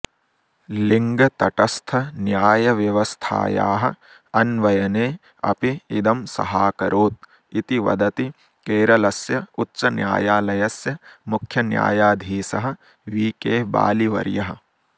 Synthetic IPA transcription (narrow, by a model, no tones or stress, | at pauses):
liŋɡɐt̪ɐʈɐst̪ʰɐnjaːjɐʋjɐʋɐst̪ʰa̰ːja̰ːɦɐ̆ | ɐnʋɐjɐneː | ɐ̰piid̪ɐmsɐ̰ɦaːkɐɾʔoːt̪̚ | it̪iʋɐ̰d̪ɐt̪i | keːɾɐlɐsjɐutːʃɐnja̰ːjaːlɐjɐsjɐmukʰjɐnja̰ːjaːd̪ʱiːsɐɦɐ̆ | ʋiːkeːba̰ːliʋɐ̰ɾjɐɦɐ̆